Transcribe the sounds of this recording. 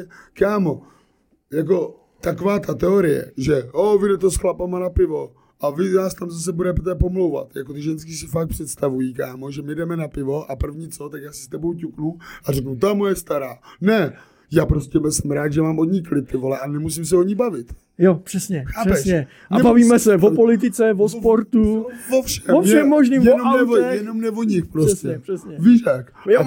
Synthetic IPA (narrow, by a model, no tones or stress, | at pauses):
ɛkaːmo̞ | jak̬o̞ | t̪ako̞vaːt̪at̪ɛo̞ɾɪjɛ̰ʒɛovɪdɛt̪o̞sxlapamanapɪvo̞ | ʔavɪnaːst̪amzas̬ɛbudɛp̬ot̪ɛːpo̞mlowva̰t̪jakot̪ɪʒɛnskɪs̬ɪfakt̚pr̥ɛt̪st̪avujiːkaːmo̞ʒɛmɪdɛmɛnapɪvo̞ʔapr̩vɲiːt͡so̞t̪akjaːsɪ̥st̪ɛbo̞wcuknuʔarɛknut̪amojɛst̪aɾaːnɛ | jaːpɾoscɛmɛsɛmɾaːt̪ʒɛmaːmʔod̪ɲiklɪp̚t̪ɪvo̞lɛʔanɛmus̬ɪms̬ɛoɲɪbavɪt̪ | jopr̥ɛsɲɛxaːɛpɛsʃɲɛ | ʔaɛbaviːmɛsɛvopo̞lɪt̪̬ɪt͡sɛvospo̞ɾt̪uvofʃɛmoʃʃɛmːoʒniːmjnomnɛvjɛnomnɛvoɲɪxpɾossɛɛr̥ɛsɛviːʃak | jo